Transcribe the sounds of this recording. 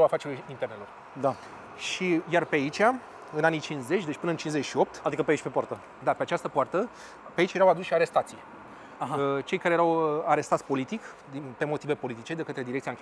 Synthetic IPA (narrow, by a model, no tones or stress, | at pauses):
awafat͡ʃeɾʲuint̪eɾnelo̞r | d̪a | ʃijarpeait͡ʃʲa | ɨnanit͡ʃinsze̞t͡ʃʲd̪e̞t͡ʃʲpɨnəɨnt͡ʃinzet͡ʃʲʃio̞p̚t̪ad̪ikəpeait͡ʃʲpepoaɾt̪ə | d̪apeat͡ʃast̪əpoart̪ə | peait͡ʃje̞ɾawad̪usʃiaɾe̞st̪at̪sij | aɦat͡ʃe̞jkaɾejeɾawaɾe̞st̪at̪sʲpo̞lit̪ik | d̪inpe̞mo̞t̪ive̞po̞lit̪it͡ʃe̞d̪e̞kət̪ɾed̪iɾekt̪siaŋkʲ